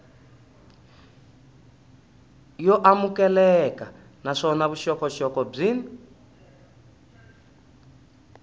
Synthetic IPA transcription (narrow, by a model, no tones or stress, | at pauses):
jɔʔamukɛlɛka | naʂɔnaβuʃɔkɔʃɔkɔb͡ʐin